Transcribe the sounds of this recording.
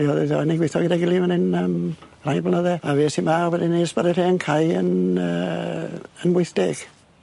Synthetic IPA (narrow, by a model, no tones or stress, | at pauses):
iɔðɛðɔniɡwɪθɔɡɪdaɡɪlˠimanɪnəm | rajblˠnəðɛaveːsimaɔwɛdinesb̥aɾɛreːənkʰajə̰nə | ənwɪθd̥ɪɡ̥